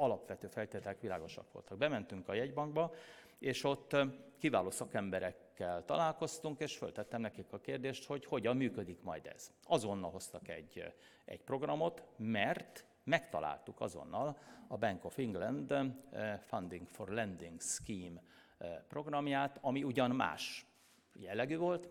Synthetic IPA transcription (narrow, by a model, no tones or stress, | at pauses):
ɒlɒpʋɛt̪øːfɛlt̪eːt̪ɛlɛkʋilaːɡo̞ʃɒ̰kʋo̞̰lt̪ɒɡ̚bɛmɛnt̪yŋkɒjɛɟbɒŋɡ̚bɒ | eːʃo̞t̪ːkiva̰ːloːsɒkɛmbɛɾɛkːɛlt̪ɒ̰laːlkost̪uŋkeːʃfølt̪ɛt̪ːɛmnɛkikɒkeːrd̪eːʃt̪ho̞cho̞ɟɒmːyːkød̪ikmɒjd̪ɛ̰z̥ɒzo̞nːɒlo̞st̪ɒkɛ̰ɟː | ʔɛ̰cpro̞ɡrɒmo̞t̪mɛrt̪ | mɛkt̪ɒ̰la̰ːlt̪ukɒ̰zo̞̰nːɒlɒbɛŋko̞fiŋɡlɛnd̪ | fɒnd̪iŋɡfo̞̰rlɛnd̪iŋɡskiːm | pro̞ɡrɒmjaːt̪ɒmiuɟɒnma̰ːʃ | jɛlːɛɡyːvo̞lt̪